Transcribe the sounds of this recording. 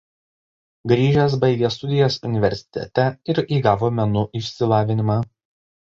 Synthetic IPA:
ɡɾʲiːʒʲɛs̬bɐɪɡʲeːs̬t̪ʊd̪ʲɪjoːsʊnʲɪʋʲɛ̰ɾʲsʲɪ̥t̪ʲɛ̰t̪ʲɛɪɾiːɡɑːʋoːmʲɛnʊʔɪʃʲsʲɪlˠɑːʋʲɪnʲɪmɑː

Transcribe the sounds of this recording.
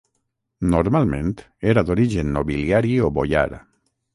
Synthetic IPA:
noɾmalmẽnt̪ | eɾad̪oɾiʒenːoβiljaɾioβoja̰ɾ

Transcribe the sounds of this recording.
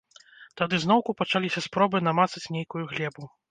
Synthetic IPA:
t̪ad̪ɨznɔwkupat͡ʂalʲisʲɐspɾɔbɨnamat̪sɐt͡sʲnʲejkujuɣlʲɛbu

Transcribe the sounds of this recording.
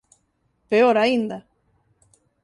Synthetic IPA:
peoɾaind̪a

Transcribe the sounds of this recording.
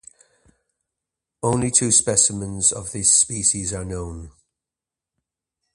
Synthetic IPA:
õʊ̃nlitʰʉːspɛsɪmə̃nzə̰vðɪspiˑʃɪzənõʊ̃n

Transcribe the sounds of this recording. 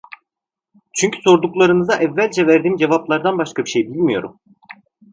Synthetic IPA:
t͡ʃʰyɲcʰy̥so̞ɾd̪uklˠaɾɯnɯzaʔɛvːælʲd͡ʒɛvæɾd̪iːmd͡ʒe̞vaplˠaɾd̪anbaʃkabiʃejbilʲmijo̞̰ɾṵm

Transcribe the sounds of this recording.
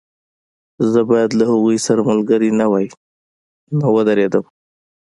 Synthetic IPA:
zəbɑjad̪lahaɣujsaɾamʊlɡəɾinawaj | nawəd̪aɾed̪əm

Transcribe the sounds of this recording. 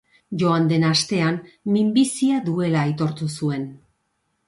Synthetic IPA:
ʝo̞and̪e̞nast̪e̞anːimbisiaðue̞laejt̪o̞ɾt̪usue̞n

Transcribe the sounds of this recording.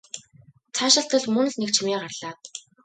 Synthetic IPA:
t͡sʰaːʃɪ̆ɬt̪ə̆ɮmɵnɵ̆ɮnekt͡ɕʰimiːɢarɮ̥aːt̪̚

